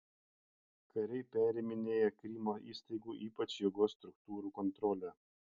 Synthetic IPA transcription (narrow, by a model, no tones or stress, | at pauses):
kʰɐɾʲɛɪpʲæːɾʲɪmʲɪnʲeːjɛkɾʲiːmoːʔḭːsʲt̪ɐɪɡuːʔiːpɐt͡ʃʲjoɡoːst̪ɾʊkt̪uːɾuːkɔnt̪ɾɔːlʲɛ